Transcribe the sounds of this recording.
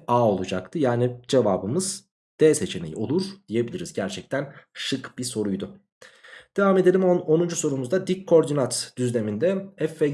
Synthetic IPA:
aːo̞lˠud͡ʒak̚t̪ʰɯjaːnid͡ʒevaːbɯmɯz | d̪̥ɛːse̞t͡ʃʰe̞nejḭo̞lˠuɾ̥d̪̥ije̞bilʲiɾizɟæɾt͡ʃʰɛc̚t̪ʰænʃɯkbiso̞ɾujd̪ʊ | d̪̥evaːme̞d̪e̞lʲimono̞nund͡ʒuso̞numuzd̪ad̪icʰo̞ɾd̪inat̪d̪̥yzlʲe̞mind̪ɛɛfːɛ

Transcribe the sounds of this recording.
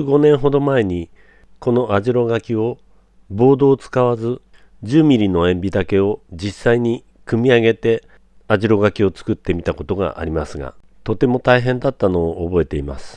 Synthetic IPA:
ɡo̞nẽ̞ɰ̃ɦo̞d̪o̞mae̞ɲ̟i | ko̞no̞ʔaʑiɾo̞ɡakʲio̞ | bo̞ːd̪o̞ːt͡sɨ̥kaβazɨ | d͡ʑɨːmʲiɾʲino̞ẽ̞mbʲid̪ake̞o̞d͡ʑisːaiɲ̟i | kɯ̟mʲiaɡe̞t̪e̞ | aʑiɾo̞ɡakʲio̞t͡sɨ̥kɯ̟t̪ːe̞mʲit̪ako̞t̪o̞ɡa̰ʔa̰ɾʲimasɨɡa̰ | t̪o̞t̪e̞mo̞t̪aiɦẽ̞nd̪at̪ːano̞ːʔːbo̞e̞t̪e̞ima̰sɨ̥

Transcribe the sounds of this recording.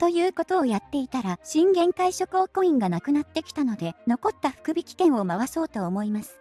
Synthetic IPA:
t̪o̞jɯ̟ːko̞t̪o̞ːjat̪ːe̞it̪aɾaɕĩŋɡẽ̞ŋkaiɕo̞kɯokoĩŋɡanakɯ̟nat̪ːe̞kʲi̥t̪ano̞d̪e̞no̞ko̞t̪ːaɸɯ̟̥kɯ̟bʲikʲi̥kẽ̞ɰ̃omaβaso̞ːt̪o̞ːmo̞imasɨ̥

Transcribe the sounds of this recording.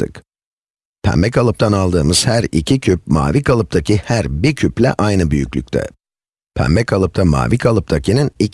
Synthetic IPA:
ɯ̰k | pʰæ̰mbɛcalˠɯp̚t̪ʰanalˠd̪ɯːmɯz̥hæɾicʰicʰyp̚ma̰ːvikʰalˠɯp̚t̪ʰacʰihæɾbiɾcʰyplʲɛ̰ʔajnɯbyjycʲlʲyc̚ʲt̪ʰɛ̰ | pʰæ̰mbɛkʰalˠɯp̚t̪ʰama̰ːvikʰalˠɯp̚t̪ʰacʰinɯni

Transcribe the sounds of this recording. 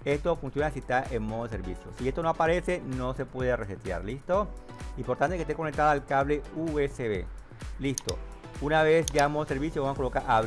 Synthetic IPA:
e̞st̪ofunsjo̞nasit̪aʔeŋmoðoes̬eɾβisjo̰siest̪onoapaɾe̞se̞no̞se̞pwe̞ðereset̪ja̰ɾlist̪o | impoɾt̪ant̪ekest̪ekonek̚t̪aðoalkaβle̞ueseβe | list̪o̰ | unaβesʝaeŋmoð̞eseɾβisjoβamoakolokaɾʔa

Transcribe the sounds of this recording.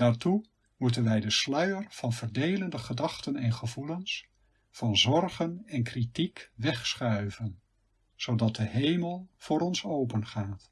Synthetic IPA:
d̥aːɹtu | mutənʋɛjdəslœɥərv̥ɑnvəɹdejləndəχədɑχtənɛnχəvuləns | fɑnzɔrχənɛnkritikʋɛχsχœɥvən | z̥owdɑt̚dəɦejməlˠv̥ʊːɾɔnsowpənχaːt

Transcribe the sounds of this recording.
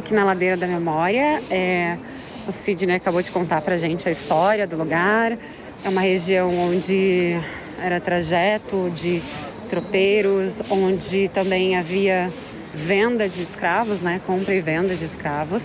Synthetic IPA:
akinɐlad̪ejɾɐd̪ɐmemɔɾiɐɛ | ʊsid͡ʒɪneɾkabod͡ʒɪkõnt̪aɾpɾɐʒẽnt͡ʃɪɐist̪ɔɾiɐd̪ʊluɡaɾ | ɛũmɐheʒiɐ̃w̃õnd͡ʒɪ | ɛɾɐt̪ɾaʒɛt̪ʊd͡ʒɪ | t̪ɾopejɾʊsõd͡ʒɪt̪ɐ̃mbẽj̃aviɐ | vẽnd̪ɐd͡ʒɪːskɾavʊznɛkõmpɾɐɪvẽnd̪ɐd͡ʒɪɪskɾavʊs

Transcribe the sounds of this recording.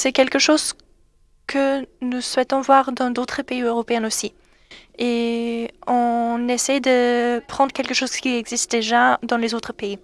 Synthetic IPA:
sɛkʲɛlkəʃoz | kʰənuswɛt̪ɔ̃vwaʁd̪ɑ̃d̪ot̪χəpeiøʁɔpeɛnosi | e | ɔ̃nesɛjd̪əpχɑ̃d̪ʁəkʲɛlkəʃoz̥kʲiɛɡzist̪̚d̪eʒad̪ɑ̃lezot̪χəpei

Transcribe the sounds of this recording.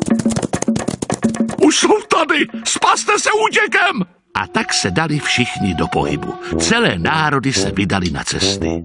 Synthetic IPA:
ʔuʃsowt̪adɪspast̪ɛsɛuːcɛkɛm | ʔa̰t̪aksɛdalɪfʃɪxɲɪdopo̞̰ɦɪ̰bṵt͡sɛlɛːnaːɾo̞dɪsɛvɪdalɪna̰t͡sɛst̪ɪ̰

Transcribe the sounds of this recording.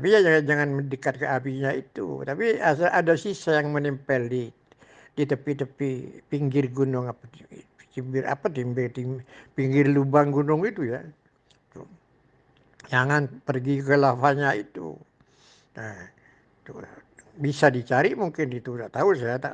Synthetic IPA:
t̪apiɲad͡ʒaad͡ʒaŋanmədəkat̪̚kəapiɲait̪ṵt̪apiaadasisajaŋmənimpəlɪt̪ | dit̪əpit̪əpipiŋɡɪrɡunʊŋapat̪imbɪrʔa̰pat̪imbɪrt̪ipiŋɡɪrlubaŋɡunʊŋit̪uja | t̪u | d͡ʒaŋanpərɡikəlafaɲait̪ṵ | na | t̪ubisadit͡ʃaɾiʔmuŋkɪnit̪ut̪aʔt̪ausajat̪a̰

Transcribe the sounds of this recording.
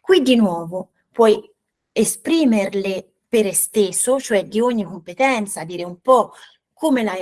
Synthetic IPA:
kwid̪inwɔːvo | pwɔj | espɾiːmeɾle | peɾest̪esːot͡ʃoɛd̪ioɲːikompet̪ɛnt̪sad̪iːɾeumpɔ | kʰːomela

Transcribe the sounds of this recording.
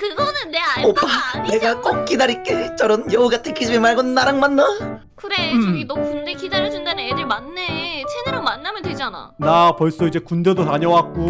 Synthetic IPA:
kɯɡʌnɯnːeaop͈ane̞ɡak͈ok̚k͈idaɾik͈et͡ɕ͈ʌɾɯnjʌuɡatʰɯkid͡ʑimemaɭɡonnːaɾaŋmanːa | kɯɾeɡinʌkundekidaɾɯd͡ʑundanɯnjedɯɭmanːet͡ɕʰenɯɾɯmanːamjʌndwe̞d͡ʑana̰napʌɭs͈ʌid͡ʑe̞kundedotaɲʌwak̚k͈o

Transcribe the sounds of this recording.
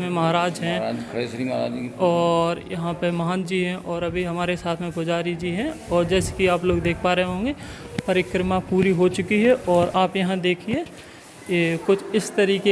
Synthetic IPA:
mẽmɐɦaːɾaːd͡ʒɦɛ̃kʰesɾima̰ɔːɾjɐɦãpemɐɦaːnd͡ʒiɦɛ̃ʔɔːɾɐbʱiɦɐmaːɾesaːt̪ʰmẽkʊd͡ʒaːɾid͡ʒiɦɛ̃ɔːɾd͡ʒɛːse̥kiaːploːɡd̪eːkʰpaːɾeɦẽɦõːŋɡepɐɾɪkɾəmapuːɾiɦot͡ʃʊkiɦɛʔɔːɾaːpjɐɦãd̪eːkʰie | kʊt͡ʃʰɪst̪ɐɾiːke

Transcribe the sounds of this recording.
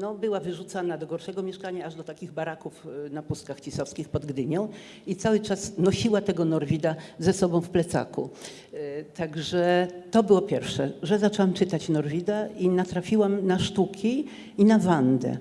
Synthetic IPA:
nɔbɘwavɘʐut̪sanad̪ɔɡɔɾʂɛɡɔmʲjɛʂkaɲaːʐd̪ɔt̪akʲiɣbaɾakufnapust̪kaxt͡ɕisɔfskʲixpɔd̪ɡd̪ɘɲɔ̃w̃ | it̪sawɘt͡ʂasnɔɕiwat̪ɛɡɔnɔɾvʲid̪azɛsɔbɔ̃w̃fplɛt̪sa̰kṵ | t̪aɡʐɛt̪ɔbɘwɔpʲjɛɾfʂɛʐɛzat͡ʂɔwamt͡ʂɘt̪at͡ɕnɔɾvʲid̪ainat̪ɾafʲiwamnaʂt̪ukʲiː | navand̪ɛ̰

